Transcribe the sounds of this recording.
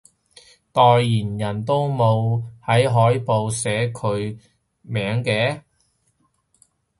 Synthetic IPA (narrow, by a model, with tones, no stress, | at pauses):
t̪ɔː˨˧jːiː˨˩njɐ˨˩nt̪o˥wmo˨˧whɐ˨˥jɦɔː˨˥jpo˨˧wsɛː˨˥kʰɵ˨˧ɥ | mɛː˨˥ŋkɛː˨˧